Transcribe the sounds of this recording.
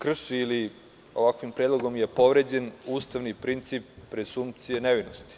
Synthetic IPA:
kr̩ʃili | o̞ʋakʋimpɾed̪lˠo̞ɡo̞mje̞po̞ʋɾe̞d͡ʑe̞nuːst̪aʋnipɾint̪sipːɾesumt̪sijeneʋinost̪i̥

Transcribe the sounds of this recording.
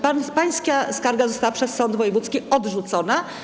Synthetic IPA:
papaj̃skaskaɾɡazɔst̪awapʂɛsːɔnd̪vɔjɛvut̪skʲiɔd̪ʐut̪sɔna

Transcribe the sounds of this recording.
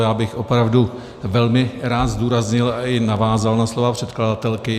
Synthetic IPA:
jaːbɪxʔo̞pɾavdu | vɛlmɪɾaːt̪zd̪uːɾazɲɪlaɪnavaːzalnaslo̞vapr̥ɛt̪kladat̪ɛlkɪ

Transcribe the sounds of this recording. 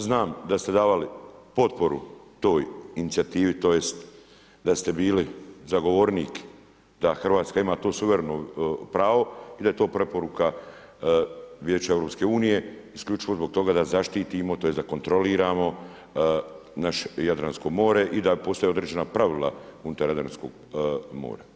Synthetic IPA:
znaːmd̪ast̪e̞d̪aːʋalipo̞t̪po̞ɾṵt̪o̞ːjinit̪siat̪iːʋit̪o̞ːje̞st̪ | d̪ast̪e̞biːlizaɡo̞ʋoɾniːk | d̪axrʋaːt̪skaimaːt̪o̞ːsuʋeɾenopɾaːʋo̞id̪aet̪o̞ːpɾe̞po̞ɾuka | ʋjeːt͡ʃae̞vɾo̞ːpske̞uːnije̞iskʎʲut͡ʃiʋo̞zbo̞ɡ̚t̪o̞ɡad̪azaʃt̪iːt̪imo̞t̪oje̞sd̪ako̞nt̪ɾo̞liːɾaːmo̞ | naʃe̥jad̪ɾansko̞ɡmo̞ːɾeʔid̪apo̞st̪oeo̞d̪ɾeːd͡ʑe̞napɾaʋilˠa̰unut̪ajad̪ɾansko̞̰ɡ | mo̰ːɾa

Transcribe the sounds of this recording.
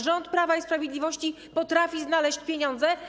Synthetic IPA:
ʐɔnt̪pɾavaispɾavʲjed̪lʲivɔɕt͡ɕi | pɔt̪ɾafʲiznalɛɕt͡ɕpʲjeɲɔnd̪zɛ

